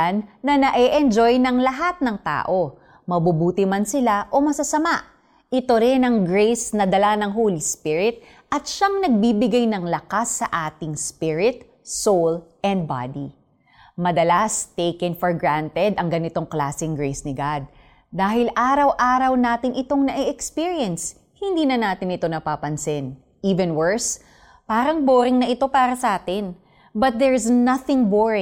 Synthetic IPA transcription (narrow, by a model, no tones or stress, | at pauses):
nːɐnɐʔɛʔɛnd͡ʒo̞jnɐŋlɐɦat̪̚nɐŋt̪a̰ːʔo̞ | mɐbubuːt̪ɪmansɪlaʔo̞mɐsɐsɐmaʔ | ʔɪt̪o̞ɾɪnɐŋɡɹejsnɐd̪ɐlanɐŋɦoːlispɪɹɪt̪̚ | ʔɐt̪̚ʃaŋnɐɡ̚bibɪɡajnɐŋlɐkasːɐ̰ʔaːt̪ɪŋspɪɹɪt̪̚ | sowlʔɛnd̪̚ba̰d̪i | mɐd̪ɐlast̪ejkɛnfoɹɡɹant̪ɛd̪ɐŋɡɐnɪt̪o̞ŋklaːsɪŋɡɹejsnɪɡad̪̚ː | aːhɪlʔaːɾɐwʔaːɾɐwnaːt̪ɪnʔɪt̪o̞ŋnɐʔɛʔɛkspiɹjɛns | hɪnd̪iːnɐnaːt̪ɪnɪt̪o̞nɐpaːpɐnsɪn | ʔiːvɛnwɛɹs | paːɾɐŋboːɾɪŋnɐʔɪt̪o̞paːɾɐsɐʔaːt̪ɪn | bɐt̪̚d̪ɛɹsnɐθɪŋboɹɪ